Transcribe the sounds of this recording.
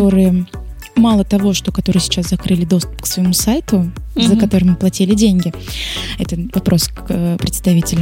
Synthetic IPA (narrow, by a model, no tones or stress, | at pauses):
o̞ɾɨjə | malˠət̪ɐvo̞ʂt̪o̞kɐt̪o̞ɾɨjsʲɪt͡ɕːaszɐkɾɨlʲɪd̪o̞st̪ʊ̥pksvəjɪmusajt̪ʊzəkɐt̪o̞ɾɨmɨplˠɐtʲilʲɪdʲenʲɡʲɪɛt̪əvɐpɾʔo̞skpɾʲɪt̪st̪ɐvʲitʲɪlʲ